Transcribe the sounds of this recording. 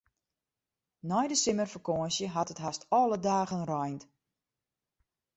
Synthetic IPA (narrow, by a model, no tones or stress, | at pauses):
nɔjdəsɪmərfəkoːnsjəɦatətɦastɔːlədaːɣənrɔjnt